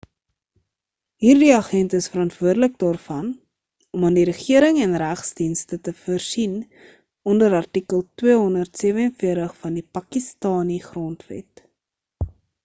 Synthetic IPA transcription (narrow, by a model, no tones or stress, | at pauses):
ɦiːrdiɐχɛntəəsfəɾɐntvuərdələk̚dɑːrfɐn | ɔmɐndiɾəχiəɾəŋɛnræχsdinstətəfərsin | ɔndəɾɐrtikəlˠtwiəɦɔndərtsiəvəənfiərtəχfɐndipɐkistɑːniχrɔntvɛ̰t